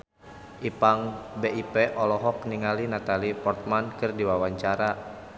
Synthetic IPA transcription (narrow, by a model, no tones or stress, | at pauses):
ʔipaŋbeipeʔɔlɔɦɔk̚niŋalinat̪alipɔrt̪̚mankɨrdiwawaɲt͡ʃaɾa